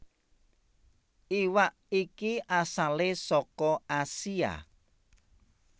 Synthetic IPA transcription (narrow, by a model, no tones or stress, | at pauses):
iwaʔikiʔasalesɔkɔasia̰